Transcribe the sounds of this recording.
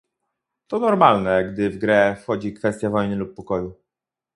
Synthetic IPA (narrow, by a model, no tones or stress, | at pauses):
t̪ɔnɔɾmalnɛɡd̪ɘvɡɾɛfxɔd͡ʑikfɛst̪ʲjavɔjnɘlupːɔkɔju